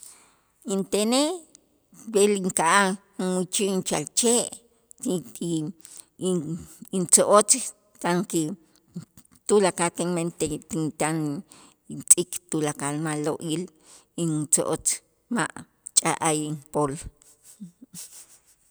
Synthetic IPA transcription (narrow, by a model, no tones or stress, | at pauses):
int̪ene | beliŋkaʔa | nwut͡ʃiʔnt͡ʃalt͡ʃeʔ | i | int͡soʔot͡s | kaŋki | t̪ulakak̪eŋment̪et̪int̪an | t͡sʼikt̪ulakalmaloʔil | it͡so̰ʔot͡s | maʔ | t͡ʃʼa̰ʔajinpol